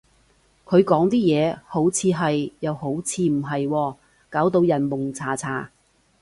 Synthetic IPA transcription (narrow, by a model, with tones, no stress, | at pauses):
kʰɵ˨˧ɥkɔː˨˥ŋt̪iː˥jɛː˨˧ho˨˥wt͡sʰiː˨˧ɦɐ˨jjɐ˨who˨˥wt͡sʰiː˧m̩˨˩ɦɐ˨jwɔː˧ | kaː˨˥wt̪o˧wjɐ˨˩nmʊ˨˩ŋt͡sʰaː˨˩t͡sʰaː˨˩